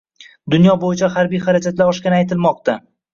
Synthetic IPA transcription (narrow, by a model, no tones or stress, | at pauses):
d̪ʊnjɒbojɪt͡ʃʰahaɾbijχaɾad͡ʒʰat̪laɾɒʃkʲanɪajt̪ʰɪlmɒq̚t̪a